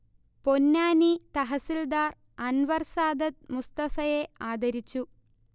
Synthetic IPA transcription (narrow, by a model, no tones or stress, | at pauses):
ponːaːnit̪ɐɦɐsild̪aːr | ɐnʋɐrsaːd̪ɐt̪̚must̪ɐfɐjeaːd̪ɐɾit͡ɕːu